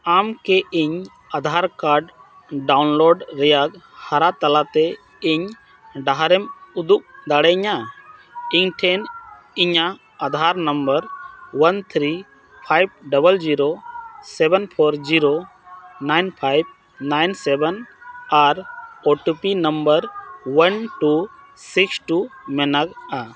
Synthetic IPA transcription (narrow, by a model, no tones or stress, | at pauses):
amkɛiɲ | ad̪ʱaɾkaɾɖ | ɖawnloɖɾɛjaɡ̚ | haɾat̪ɐlat̪ɛ | ɪɲ | ɖaɦaɾɛmud̪uk̚d̪aɽɛɲa | iɲʈʰen | ɪɲa | ad̪ʱaɾnəmbəɾwɐnt̪ʰɾi | pʰajb̚ɖəbəld͡ʒiɾosɛbɛnpʰɔɾd͡ʒiɾo | najnpʰajb̚ | najnsɛbɛnaɾoʈupinəmbəɾwənʈu | siksʈumɛnaɡa